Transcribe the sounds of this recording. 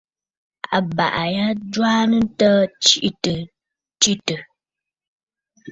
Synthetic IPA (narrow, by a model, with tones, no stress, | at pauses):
a̰˨ba̰˨ʔa˨ja˦d͡ʒwaː˦nə˦tə˦t͡ʃi˦ʔtə˨ | t͡ʃi˦tə˨